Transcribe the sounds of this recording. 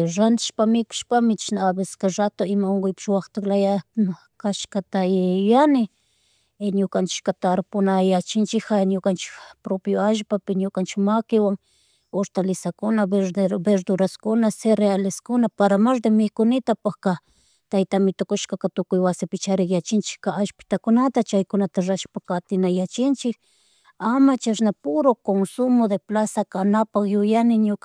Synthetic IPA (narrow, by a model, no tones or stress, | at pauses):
ɾant̪ɪ̥ʃpamɪkʊ̥ʃpamɪt͡ʃʃnaːbɪskaɾat̪oɪmaoŋɡʊjpɪ̥ʃwaχt̪aklaja | kaʃkat̪ajanɪ | ɲʊkant͡ʃɪ̥kat̪aɾpʊnajat͡ʃɪnt͡ʃɪxaɲʊkant͡ʃɪ̥kpɾopjoaʒpapɪɲʊkant͡ʃɪkmakɪwaŋ | oɾt̪alɪsakʊnabeɾd̪ʊɾaskʊnaseɾealɪskʊnapaɾamaɾd̪emɪkʊnɪt̪apaxka | t̪ajt̪amɪt̪okʊʃkakat̪ʊkʊjwasɪpɪt͡ʃaɾɪkjat͡ʃɪnt͡ʃɪ̥kːaaʃpɪ̥t̪akʊnat̪at͡ʃajkʊnat̪aɾaʃpakat̪ɪnajat͡ʃɪnt͡ʃɪk | amat͡ʃaʃnapʊɾokonsʊmod̪eplasakanapaχjʊjanɪɲʊk